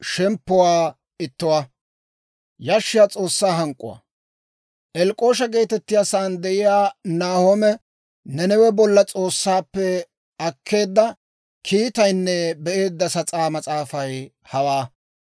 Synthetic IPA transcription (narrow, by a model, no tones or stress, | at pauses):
ʃɛmpːɔwaː | ɪt̪ːʊwa | jaʃːɪjaːt͡sʼo̞ːsːaːɦɐŋkʼːʊ̰w̰ | ʔɛlkʼo̞ːʃ̬ɐɡe̞ːt̪ɛt̪ːɪjasaːnd̪ɛʔɪjaːnaːhomɛ | nɛnɛwɛbɔlːɐt͡sʼo̞ːsːaːpːɛ | ɐkʰːe̞ːd̪ːɐ | kʰiːt̪ɐjnːɛbɛʔe̞ːd̪ːɐsɐt͡sʼaːmɐt͡sʼaːfɐj | hɐwaː